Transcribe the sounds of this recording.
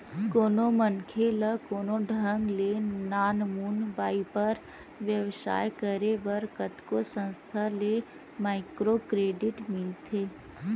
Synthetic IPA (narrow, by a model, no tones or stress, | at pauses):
koːnomənkʰeləkoːnoɖʱə̃ŋɡlenaːnmuːnbaːipəɾ | ʋjəʋʃa̰ːjkəɾeʋəɾkət̪kosə̃nst̪ʰale | maːɪkɾokɾeːɖɪʈmɪlt̪ʰeː